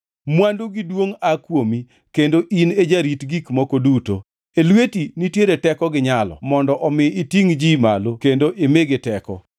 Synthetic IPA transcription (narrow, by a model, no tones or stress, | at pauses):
mwanduɡidwoŋakwomi | kendoʔined͡ʒaɾitɡikmɔkoduto̰ | elwetinitjeɾetɛkɔɡɪɲalɔ̰mɔndɔʔɔmɪːtiŋd͡ʒimalokendoʔemeɡɪtɛkɔ̰